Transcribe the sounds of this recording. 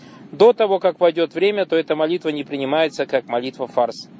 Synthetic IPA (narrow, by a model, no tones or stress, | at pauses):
d̪o̞t̪ɐvo̞kakvɐjdʲo̞t̪vɾʲemʲət̪o̞ɛt̪əmɐlʲit̪vənʲɪpɾʲɪnʲɪmajɪt̪səkakmɐlʲit̪vəfars